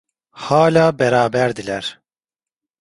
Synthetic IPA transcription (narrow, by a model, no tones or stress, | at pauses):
haːlʲaːbɛɾaːbæɾd̪ilʲæɾ̥